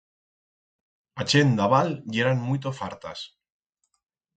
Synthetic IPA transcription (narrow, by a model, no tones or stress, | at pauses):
at͡ʃend̪aβaljeɾanmujt̪ofaɾt̪a̰s